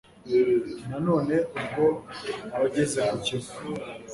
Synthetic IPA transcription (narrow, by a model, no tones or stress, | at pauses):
nano̞ːneubɡoaβaɟezeɦaco